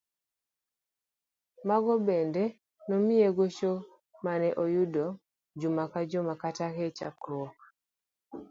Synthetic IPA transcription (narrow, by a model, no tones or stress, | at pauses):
maɡɔbɛndɛ | nɔmɪeɡot͡ʃo | manɛʔojudo | d͡ʒumakad͡ʒɔmakataket͡ʃa̰kɾwɔk